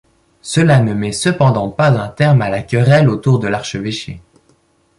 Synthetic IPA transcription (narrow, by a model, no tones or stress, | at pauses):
səlanəmɛsəpɑ̃d̪ɑ̃pazɛ̃t̪ɛʁmalakʲəʁɛlot̪uʁd̪əlaʁʃəveʃḛ